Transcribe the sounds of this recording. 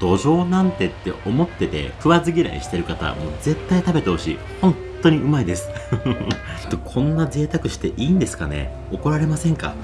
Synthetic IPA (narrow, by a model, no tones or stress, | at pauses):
d̪̥o̞ʑo̞ːnãnt̪e̞t̪ːe̞o̞mo̞t̪ːe̞t̪e̞̰kɯ̟βazɨɡʲiɾa̰ḭɕi̥t̪e̞ɾɯ̟kat̪a̰mo̞ze̞t̪ːait̪abe̞t̪eho̞ɕḭ | hõ̞nt̪ːo̞ɲ̟iʔɯ̟maid̪e̞sɨ̥ | i̥t̪ːokʰõ̞nːaze̞ːt̪akɯ̟ɕi̥t̪e̞ʔiːnd̪e̞sɨ̥kane̞̰ | o̞ko̞ɾaɾe̞masẽ̞ŋka̰